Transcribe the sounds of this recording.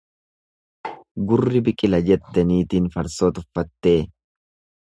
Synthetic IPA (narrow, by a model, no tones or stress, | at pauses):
ɡʊrːɪbɪkʼɪlɐd͡ʒɛt̪ːɐniːt̪iːnfɐɾsoːt̪ʊfːɐt̪ːe̞ː